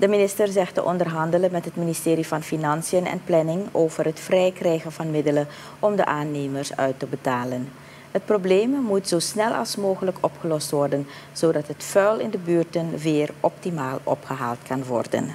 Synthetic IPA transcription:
d̥əminɪstərzɛxtəʔɔndərɦɑndələnmɛtɦətministɪːɾivɑnfinɑnsijənɛ̰nplɛnɪŋoːvərɦətfrɛjkrɛjɣənvɑnmɪdələ | ɔmdə̰ʔaːneːmərsœ̰ɥtəbətaːlən | ɦət̚probleːmmutz̥oːsnɛlˠɑ̰lˠsmoːɣələkɔpχəlɔstʋɔrdən | z̥oːdɑtɦətfœɥlɪndəbyːrtənvɪːrʔɔp̚timaːlˠɔ̰pχəɦa̰ːlˠtkɑnʋɔ̰rdə̰n

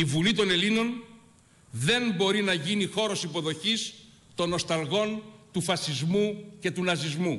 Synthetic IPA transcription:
ivulit̪o̞ne̞lino̞n | ðe̞mbo̞ɾinɐʝinixo̞ɾo̞sipo̞ðo̞çis | t̪o̞no̞st̪ɐlɣo̞nt̪ufɐsizmuce̞t̪unɐzizmu

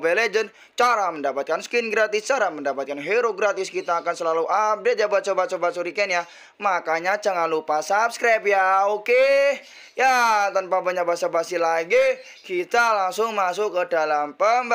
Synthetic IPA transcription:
beled͡ʒən | t͡ʃaɾaməndapat̪̚kansə̥kɪnɡɾat̪ɪst͡ʃaɾaməndapat̪̚kanɦeɾoɡɾat̪ɪskit̪aːkansəlaluʔap̚det̚d͡ʒabat͡ʃobat͡ʃobasuɾikɛnja | makaɲat͡ʃəŋanlupasap̚skɾap̚jaoke | jat̪anpabəɲabasabasilaɡi | kit̪alaŋsʊŋmasʊkədalampəmb

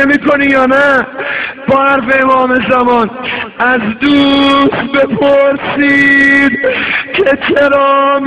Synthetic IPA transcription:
emiːkʰo̞niːjɒːnæ | b̥ɒːæɾfeːmɒːme̞zæmɒnæzd̪uːsbe̞pʰoɾsiːd̪cʰe̞t͡ʃʰe̞ɾɒːm

